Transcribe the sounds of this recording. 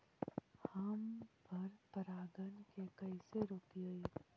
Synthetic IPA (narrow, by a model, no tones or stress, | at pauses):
haːmpəɾpəɾaːɡənkekəɪseɾopijoe